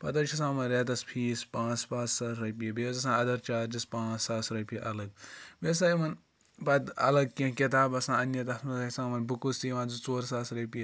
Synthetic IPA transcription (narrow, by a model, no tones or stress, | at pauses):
pɐt̪ɐɾt͡ʃʰisãːmɐnɾet̪ɐspʰiːspãːt͡spãːt͡sːɐsɾɐpiɐbeːzɐsãːɐd̪ɐɾt͡ʃaːɾd͡ʒispãːt͡ssaːsɾɐpijʔɐlɐɡ̚beːs̬aimɐn | pɐt̪ɐ̰lɐɡ̚kẽkit̪aːbɐsãːɐnjɐt̪ɐsnɐzɐisãːmɐnbukust̪iːʋãːzut͡soːɾsaːsɾɐpijɐ